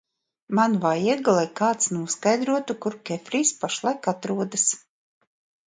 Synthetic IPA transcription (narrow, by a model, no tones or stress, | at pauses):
manvajiɛɡlˠajkaːt̪snuɔskajd̪ɾuɔt̪ukuɾkʲɛfɾiːspaʃlˠajkat̪ɾuɔd̪as